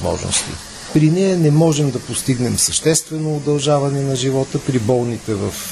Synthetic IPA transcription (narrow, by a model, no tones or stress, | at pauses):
mɔ̰ʒno̰st̪ḭ | pɾinɛjɐnɛmɔʒɛmd̪ɐpost̪iɡnɛmsəʃt̪ɛst̪vɛnoːd̪ɐlˠʒavɐnɛnɐʒivɔt̪əpɾibɔlˠnit̪ɛvɐf